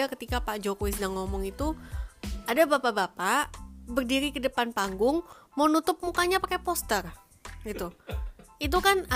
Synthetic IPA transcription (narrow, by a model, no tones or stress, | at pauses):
akət̪ikapaʔd͡ʒokowis̬ədaŋːɔmɔŋit̪u | adabapabapabərdiɾikədəpanpaŋɡʊŋmanut̪ʊp̚mukaɲapakapɔst̪ər | ɡit̪u | it̪̬ukan